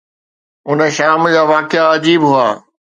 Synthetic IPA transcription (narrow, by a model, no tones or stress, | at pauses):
ʊnə̆ʃaːmd͡ʑaːʋaːkɪaɐd͡ʑiːbɦʊaː